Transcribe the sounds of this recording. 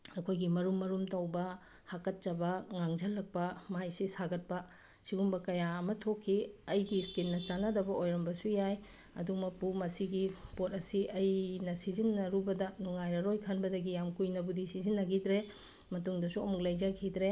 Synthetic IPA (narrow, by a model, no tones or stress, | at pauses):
ɐkʰojɡimɐɾumːɐɾumtɐwbɐ | hakɐt̚t͡ʃɐbɐŋaŋd͡ʒɐlːɐk̚pɐmajsisaɡɐt̚pɐ | siɡumbɐkɐjaɐmɐtʰokʰːiɐjɡistilnɐt͡ʃanɐdɐbɐʔojɾɐmbɐsujaj | ɐ̰dumɐpumɐsiɡipotɐsiʔɐjnɐsizinːɐɾubɐdɐnuŋajɾɐɾojkʰɐnbɐdɐɡijamkujnɐbudisizinːɐɡidɾe | mɐtuŋdɐsuɐmuk̚lɐjzɐkʰidɾe